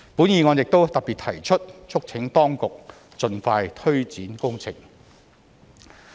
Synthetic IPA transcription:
puː˨˥njiː˧ŋɔː˨˧njɪ˨k̚t̪o˥wt̪ɐ˨k̚piː˨t̪ʰɐ˨˩jt͡ʃʰɵ˥t̚t͡ʃʰʊ˥k̚t͡sʰɪ˨˥ŋt̪ɔː˥ŋkʊ˨k̚ | t͡ʃɵ˧nfaː˧jt̪ʰɵ˥ɥt͡siː˨˥nkʊ˥ŋt͡sʰɪ̰˨˩ŋ

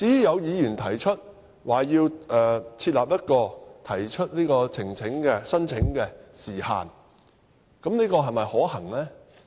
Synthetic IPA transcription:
t͡siː˨˥jy˥jɐ˨˧wjiː˨˧jyː˨˩nt̪ʰɐ˨˩jt͡ʃʰɵ˥t̚ | waː˨˩jiː˧wʔɛː˨t͡sʰiː˧t̚laː˨p̚jɐ˥t̚kɔː˧t̪ʰɐ˨˩jt͡ʃʰɵ˥t̚niː˥kɔː˧t͡sʰɪ˨˩ŋt͡sʰɪ˨˥ŋkɛː˧sɐ˥nt͡sʰɪ˨˥ŋkɛː˧siː˨˩ha̰ː˨n | kɐ˨˥mniː˥kɔː˧ɦɐ˨jmɐ˨jhɔː˨˥hɐ˨˩ŋlɛː˥

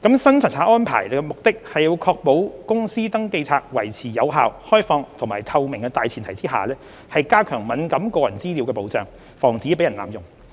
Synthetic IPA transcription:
kɐ˨˥msɐ˥nt͡sʰɐ˨˩t̚t͡sʰaː˨˥ʔɔː˥npʰa̰ː˨˩jlɛ˧mʊ˨k̚t̪ɪ˥k̚hɐ˨jːiː˨˧wkʰɔː˧k̚po˨˥wkʊ˥ŋsiː˥t̪ɐ˥ŋke˧jt͡sʰaː˧t̚wɐ˨˩jt͡sʰiː˨˩jɐ˨˧wɦaː˨whɔː˥jfɔː˧ŋt̪ʰʊ˨˩ŋmaː˨jt̪ʰɐ˧wmɪ˨˩ŋkɛː˧t̪aː˨jt͡sʰiː˨˩nt̪ʰɐ˨˩jt͡siː˥ɦa̰ː˨lɛː˥ | hɐ˨jkaː˥kʰœː˨˩ŋmɐ˨˥nkɐ˨˥mkɔː˧jɐ˨˩nt͡siː˥liː˨˧wkɛː˧po˨˥wt͡sœː˨ŋ | fɔː˨˩ŋt͡siː˨˥pe˨˥jɐ˨˩nla̰ː˨mjʊ˨ŋ

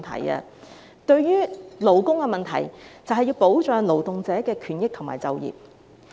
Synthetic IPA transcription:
t̪ʰɐ̰˨˩jɐ̰˧ | t̪ɵ˧ɥjyː˥lo˨wkʊ˥ŋkɛː˧mɐ˨nt̪ʰɐ̰˨˩jt͡sɐ˨wɦɐ˨jːiː˧wpo˨˥wt͡ʃœː˨˧ŋlo˨˩wt̪ʊ˨ŋt͡sɛː˨˥kɛː˧kʰyː˨˩njɪ˥k̚t̪ʰʊ˨ŋma̰ː˨˩jt͡sɐ˨˧wjḭː˨˩p̚

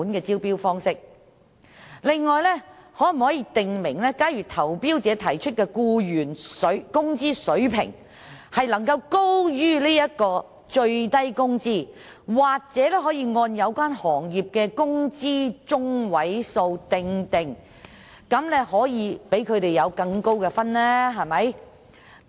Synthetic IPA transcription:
nkɛː˧t͡siː˥wpiː˥wfɔː˥ŋsɪ˥k̚ | lɪ˨ŋːɔː˨jlɛ˥hɔː˨˥m̩˨˩hɔː˨˥jiː˧t̪ɪ˨ŋmɪ˨˩ŋlɛː˥kaː˥jyː˨t̪ʰɐ˨˩wpiː˥wt͡sɛː˨˧t̪ʰɐ˨˩jt͡ʃʰɵ˥t̚kɛː˧kuː˧jyː˨˩nsɵ˨˥kʊ˥ŋt͡siː˥sɵ˨˥pʰɪ̰˨˩ŋ | hɐ˨jlɐ˨˩ŋkɐ˧wko˥wjyː˥liː˥jɐ˥t̚kɔː˧ | t͡ʃɵ˧ɥt̪ɐ˥jkʊ˥ŋt͡siː˥ | waː˨k̚t͡sɛː˨˥lɛː˥ɦɔː˨˥jiː˧ŋɔː˧njɐ˨˧wkʷaː˥nhɔː˨˩ŋjiː˨p̚kɛː˧kʊ˥ŋt͡siː˥t͡ʃʊ˥ŋwɐ˨˥jso˧wt̪ɪ˨˧ŋt̪ɪ˨˩ŋ | kɐ˨˥mlɛ˥hɔː˨˥jiː˨˧pe˨˥jkʰɵ˧ɥt̪e˨jjɐ˨˧wkɐ˧ŋko˥wkɛ˧fɐ˥nlɛː˥ɦɐ˨jmɐ˨˥j

